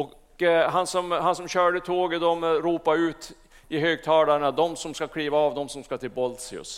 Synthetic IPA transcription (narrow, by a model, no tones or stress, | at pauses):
ɔk | ɦansɔmhansɔmɕœːɖət̪ʰoːɡəd̪ɔmɾuːpaɾʉ̟ːt̪ | ɪɦøːɡ̚t̪ʰɑːd̪aɳad̪ɔmsɔmskakʰɽiːvaːvd̪ɔmsɔmskat̪ʰɪlbɔlsɪʊ̰s